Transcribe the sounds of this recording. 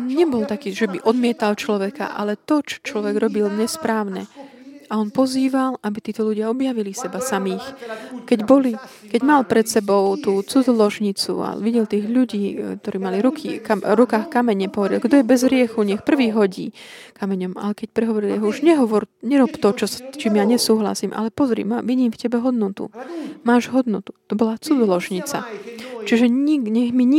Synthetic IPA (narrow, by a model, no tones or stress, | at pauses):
ɲɛbɔlt̪akiːʒɛbiʔɔd̪mɪɛt̪alt͡ʃlɔʋɛka̰ʔa̰lɛt̪ɔt͡ʃɔ̥t͡ʃlɔʋɛɡɾɔbilɲɛspɾaːʊnɛ | ʔaɔnpɔziːʋalabit̪iːt̪ɔʎuɟɪaɔbjaʋilisɛbasamiːxkɛɟbɔli | kɛɟmalpɾɛt̪sɛbɔʊt̪uːt͡sud͡zɔlɔʒɲit͡sṵa̰ʋiɟɛlt̪iːɣʎuɟiːk̚t̪ɔɾiːmaliɾukʰḭkaɾukaːxkamɛɲɛpɔʋɛdɾḭlɡd̪ɔjɛbɛzɦɾɪɛxuɲɛxpr̩ʋiːɦɔɟḭːkamɛɲɔma̰lɛkɛc̚pɾɛɦɔʋɔɾiliɦɔuʒɲɛɦɔʋɔɾɲɛɾɔpt̪ɔt͡ʃɔst͡ʃimjaɲɛsuːɦla̰siːmʔa̰lɛpɔzɾḭmaʋiɟiːmfcɛbɛɦɔd̪nɔt̪ṵmaːʒɦɔd̪nɔt̪u̥t̪ɔbɔlat͡sud͡zɔlɔʒɲit͡sa̰t͡ʃiʒɛiɲɛɣmiɲ